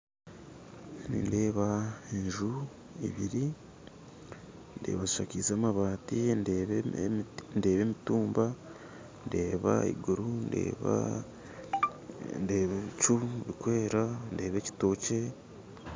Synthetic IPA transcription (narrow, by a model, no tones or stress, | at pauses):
nḭnde̞ːβaeɲʒu | ḭβiɾi | nde̞̰ːβaziʃa̰cizaːmaβaːtindeβ | nde̞ːβe̞ːmituːmba | nde̞ːβa̰ḭɡuɾundḛːβa̰ | ndeːβeβit͡ʃuβikwe̞ːɾande̞ːβe̞ːci̥to̞ːce̞